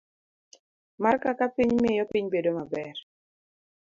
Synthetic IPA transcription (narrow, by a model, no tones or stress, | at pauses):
markakapiɲmmejɔpiɲbedomabɛr